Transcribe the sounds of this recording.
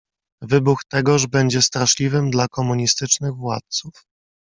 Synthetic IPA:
vɘbuxt̪ɛɡɔʐbɛɲd͡ʑɛst̪ɾaʂlʲivɘmd̪lakɔmuɲist̪ɘt͡ʂnɘɣvwa̰t̪̚suf

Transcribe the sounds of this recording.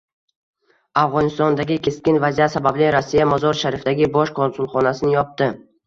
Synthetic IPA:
afʁɒnɪst̪ɒnd̪aɡʲɪkʲʰe̞skʲɪnvazijat̪sabablɪɾosːijamɒzɒɾʃaɾɪfd̪aɡʲɪbɒʃkʰonsʊlˠχɒnasɪnɪjɒp̚t̪ɪ

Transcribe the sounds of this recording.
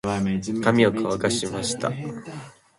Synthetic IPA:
kamʲiokʰaβakaɕimaɕi̥t̪a̰

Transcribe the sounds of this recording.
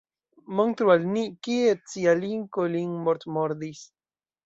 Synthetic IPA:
moŋt̪ɾuwalniʔkiet͡sialiŋkoliŋmoɾt̪moɾd̪is

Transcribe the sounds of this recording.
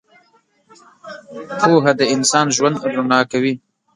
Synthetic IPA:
pʰoɦad̪əɪnsɑːnʒwand̪d̪ɾunɑkawi

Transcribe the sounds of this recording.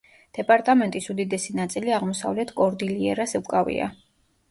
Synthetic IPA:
d̪̥ɛpʼaɾt̪ʼamɛnt̪ʼisud̪id̪ɛsinat̪sʼiliaʁmɔsa̰vlɛt̪ʰkʼɔɾd̪iliɛ̰ɾasɛlkʼavḭa̰

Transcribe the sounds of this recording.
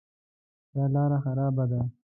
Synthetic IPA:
j̪ɑːlɑɾaxaɾɑːbad̪a

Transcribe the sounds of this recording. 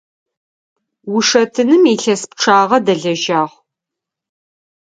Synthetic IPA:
wʊʂɐtʰɨnɨmiːɬɐsp̚ʈ͡ʂʰaːʁɐdɐɮɐʒaːʁ

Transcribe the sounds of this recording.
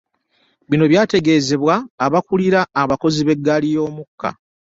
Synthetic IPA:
βino̞βjaːte̞ɡe̞ːze̞βwaːβakuliɾaːβako̞ziβe̞ɡːalijo̞ːmukːa̰

